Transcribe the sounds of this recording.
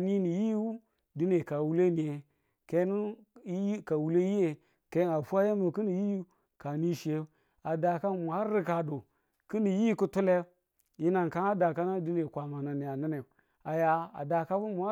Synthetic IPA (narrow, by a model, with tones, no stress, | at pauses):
ni˦ni˨ji˦wu˦ | di˦ne˨ka˨wu˦le˦ni˨je˨ | ke˦n˦ | i˦ka˨wu˦le˦ji˦je˨ | ke˦a˨fu˦a˦je˦mo˨ki˦ni˨ji˦u˦ | ka˨ni˦ʃe˦ | a˨da˨ka˦mu˨a˦ɾi˦ka˨do˨ | ki˦ni˨ji˦ku˦tu˦le˦ | ji˦na˨nka˦a˦da˨ka˦na˦di˦ne˨kʷa˨ma˨na˨ni˨a˨na˦ne˨ | a˨ja˨a̰˨da˨ka˦bu˦mu˨a˦